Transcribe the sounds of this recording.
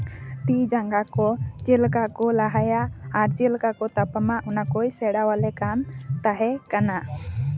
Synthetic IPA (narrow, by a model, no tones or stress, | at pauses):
t̪id͡ʒaŋɡakɔt͡ʃelkakɔlaɦajaːɾt͡ʃɛlkakɔt̪apamaʔunakɔjsɛɽawalɛkant̪aɦɛkana